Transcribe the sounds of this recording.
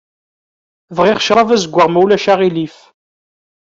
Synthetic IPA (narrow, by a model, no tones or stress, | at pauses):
vʁiχʃɾˤɑvæzəɡʷːəʁmæwlæʃaʁilif